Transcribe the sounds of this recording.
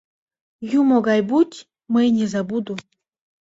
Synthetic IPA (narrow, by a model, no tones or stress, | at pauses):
jumoɡajbutʲ | mɨjnʲezabud̪u